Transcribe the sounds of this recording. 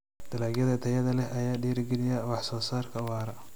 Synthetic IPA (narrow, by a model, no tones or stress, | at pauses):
d̪̥ʰɐlaːɡjɐðɐt̪ʰɐjɐðɐlɛɐjaːɖiːɾɡɛlɪjɐwɑħsɔːsaːrkʰɐwɑːɾɐ